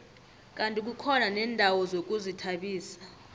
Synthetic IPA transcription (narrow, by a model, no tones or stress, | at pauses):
k̬ʼantʼik̬ukʰɔnanɛːndʱawɔzok̬ʼuzitʰaɓiːsḁ